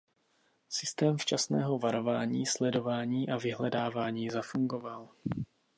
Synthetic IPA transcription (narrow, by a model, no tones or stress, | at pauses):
sɪst̪ɛːmft͡ʃasnɛːɦo̞vaɾo̞vaːɲiːslɛdo̞vaːɲiːʔavɪɦlɛdaːvaːɲiːzafuŋɡo̞val